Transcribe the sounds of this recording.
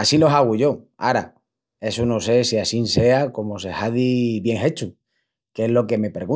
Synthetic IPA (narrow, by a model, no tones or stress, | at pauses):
asilo̞saɣ̞uʝo̞a̰ɾa̰ | e̞suno̞se̞siasinse̞ako̞mose̞haðiβje̞ŋe̞t͡ʃu | keeɦlo̞ke̞me̞pɾeɣu